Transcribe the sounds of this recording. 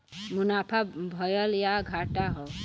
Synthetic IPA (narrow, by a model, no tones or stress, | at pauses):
munapʰabʱɔjɔljaɡʱaʈaɦɔ